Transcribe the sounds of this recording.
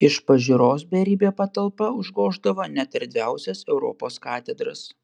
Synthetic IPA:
ɪʃpɐʒʲɪɾoːs̬bʲɛɾʲiːbʲeːpɐt̪ɐlˠpɐʊʒɡoːʒd̪ɐʋoːnʲɛt̪ɐɾʲd̪ʲʋʲæˑʊsʲɛsɛʊɾɔ̰ːpoːskɑːt̪ʲɛd̪ɾɐ̰s

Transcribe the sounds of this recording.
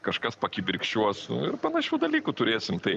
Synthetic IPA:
kɐʃkɐspɐkʲibʲɪɾʲkʃʲt͡ʃʲuɔsʊ̰ɪrpɐnɐʃʲuːd̪ɐlʲiːkʊt̪ʊɾʲeːsʲɪmt̪ɐɪ

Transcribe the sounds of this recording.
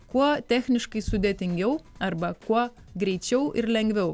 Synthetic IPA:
kuɔt̪ʲæːxʲnʲɪʃkɐɪsʊd̪ʲeɛːt̪ʲɪŋʲɡʲɛʊɐɾbɐkuɔ | ɡɾʲɛɪt͡ʃʲɛʊʔɪɾlʲɛŋʲɡʋʲɛʊ

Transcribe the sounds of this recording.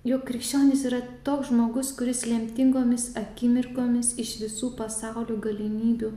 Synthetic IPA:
joːkːɾʲɪkʃʲt͡ʃʲoːnʲɪsiːɾɐt̪oːksʒmoːɡʊskʊɾʲɪslʲɛmʲt̪ʲɪŋɡoːmʲɪsɐkʲɪmʲɪɾkoːmʲɪsɪʃʋʲɪsuːpɐsɑʊlʲuːɡɐlʲɪnʲiːd̪ʲuː

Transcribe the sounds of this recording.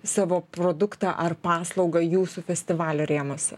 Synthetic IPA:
sɑːʋoːpɾoːd̪ʊkt̪ɑːʔɐrpɑːslˠɒʊɡɐjuːsuːfʲɛsʲt̪ʲɪʋɑːlʲoːɾʲeːmoːsʲɛ

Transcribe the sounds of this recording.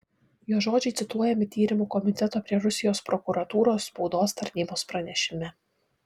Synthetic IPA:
juːʒoːd͡ʒʲɛɪt̪sʲɪt̪uɔjɛmʲɪt̪ʲiːɾʲɪmuːkɔmʲɪt̪ʲɛt̪oːpʲɾʲiɛɾʊsʲɪjoːspɾɔkʊɾɐt̪uːɾoːsːpɒʊd̪oːst̪ɐɾʲnʲiːboːspɾɐnʲɛʃʲɪmʲɛ

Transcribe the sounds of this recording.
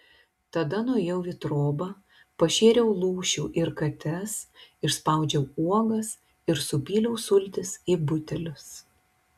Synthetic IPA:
t̪ɐd̪ɐnuːjɛʊʋʲɪt̪ɾoːbɐ | pɐʃʲeːɾʲɛʊlˠuːʃʲuːʔɪɾkɐt̪ʲɛsɪʃspɐˑʊd͡ʒʲɛʊuɔɡɐs | ɪɾsʊpʲiːlʲɛʊsʊlʲt̪ʲɪsiːbʊt̪ʲɛlʲʊs

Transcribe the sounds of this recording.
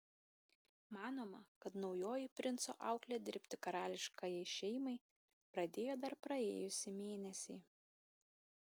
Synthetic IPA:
mɑːnoːmɐkɐt̪nɒʊjoːjɪpʲɾʲɪnt̪so̰ːʔɑˑʊklʲɛd̪ʲɪ̰ɾʲpʲt̪ʲɪkɐɾɑːlʲɪʃkɐjɛɪʃʲɛɪmɐɪ | pɾɐd̪ʲeːjoːd̪ɐɾpɾɐeːjʊsʲɪmʲeːnʲɛsʲɛː

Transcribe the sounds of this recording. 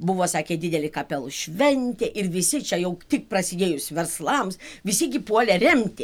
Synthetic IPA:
bʊʋoːsɑːkʲeːd̪ʲɪd̪ʲɛlʲɪkɐpʲɛlˠʃʲʋʲɛnʲt̪ʲeːʔɪrʋʲɪsʲɪt͡ʃʲɛjɛʊt̪ʲɪk̚prɐsʲɪd̪ʲeːjʊsʋʲɛrslˠɐmsʋʲɪsʲɪɡʲɪpuɔlʲɛrʲɛmʲt̪ʲɪ

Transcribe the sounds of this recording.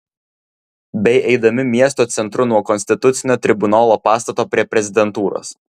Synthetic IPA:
bʲɛɪʔɛɪd̪ɐmʲɪmʲiɛst̪oːt̪sʲɛnt̪ɾʊnuɔkɔnsʲt̪ʲɪt̪ʊt̪sʲɪnʲoːt̪ʲɾʲɪbʊnaːlˠoːpɑːst̪ɐt̪oːpʲɾʲiɛpʲɾʲɛzʲɪd̪ʲɛnt̪uːɾo̰ːs

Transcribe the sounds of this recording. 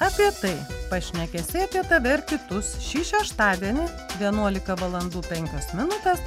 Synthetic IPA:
ɐpʲiɛt̪ɐɪpɐʃʲnʲɛkʲɛsʲɛɪɐpʲiɛt̪ɐʋʲɛɪɾkʲɪt̪ʊsʃʲiːʃʲɛʃt̪ɑːd̪ʲiɛnʲɪ | ʋʲiɛnuɔlʲɪkɐʋɐlˠɐnd̪uːpʲɛŋʲkʲosmʲɪnʊt̪ʲɛs

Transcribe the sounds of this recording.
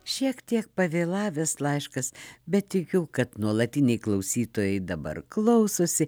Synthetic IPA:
ʃʲiɛkt̪ʲiɛk̚pɐʋʲeːlˠɑːʋʲɛslˠɐɪʃkɐsbʲɛt̪t̪ʲɪkʲuːkɐt̪nuɔlˠɐt̪ʲɪnʲɛɪklˠɐʊsʲiːt̪oːjɛɪd̪ɐbɐ̰rklˠɐʊsoːsʲɪ

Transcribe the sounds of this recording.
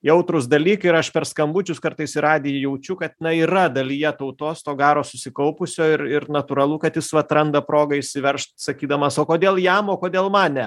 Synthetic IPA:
jɛʊt̪ɾʊs̬d̪ɐlʲiːkɪɾɐʃpʲɛrskɐmbut͡ʃʲʊskɐɾt̪ɐɪsɪɾɑːd̪ʲeːjjɛʊt͡ʃʲʊkɐt̪nɐiːɾɐd̪ɐlʲiːjɛt̪ɐʊt̪oːst̪oːɡɑːɾoːsʊsʲɪkɐʊpʊsʲoːɪɾɪrnɐt̪uɾɐlˠʊkɐt̪jɪsʋɐt̪ɾɐnd̪ɐpɾoːɡɐɪʃʲsʲɪʋʲɛɾʃt̪ʲsɐkʲiːd̪ɐmɐsoːkoːd̪ʲeːlˠjɛmoːkoːd̪ʲeːlˠmɑːnʲɛ

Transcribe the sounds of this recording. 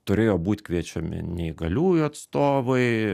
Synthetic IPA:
t̪ʊɾʲeːjoːbuːt̪ʲkʋʲiɛt͡ʃʲɛmʲɪ̰nʲɛɪɡɐlʲuːjʊɐt̪st̪oːʋɐɪ

